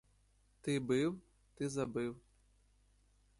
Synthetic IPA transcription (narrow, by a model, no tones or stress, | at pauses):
t̪ɨbɨw | t̪ɨzabɨw